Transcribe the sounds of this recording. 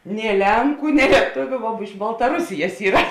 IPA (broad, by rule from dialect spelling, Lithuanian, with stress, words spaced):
nʲeː ˈlʲɛŋkʊ nʲeː lʲiɛˈtʊʋʲʊ ʋoː ɪʃ bɐlˠtɐˈrʊsʲɪjɛs ˈiːrɐ